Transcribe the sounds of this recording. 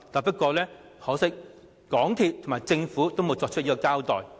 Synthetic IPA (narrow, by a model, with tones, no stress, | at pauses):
t̪aː˨˧pɐ˥t̚kɔː˧lɛː˥ | hɔː˨˥wsɪ˥k̚ | kɔː˨˥ŋt̪ʰiː˨p̚t̪ʰmaː˨˩jt͡sɪ˧ŋfuː˨˥t̪o˥wmo˨˧wt͡sɔː˧k̚t͡ʃʰɵ˥t̚jiː˥kɔː˧kaː˥wt̪ɔː˨˩j